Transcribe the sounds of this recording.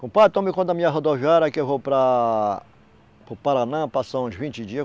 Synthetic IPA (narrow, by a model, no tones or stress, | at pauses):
kõpat̪õmɪkõd̪ɐmĩɲɐɦod̪oviɛɾɐkɪewvowpɾɐ | pɾʊpaɾanãpasɐ̃d͡ʒvĩnt͡ʃɪd͡ʒiɐ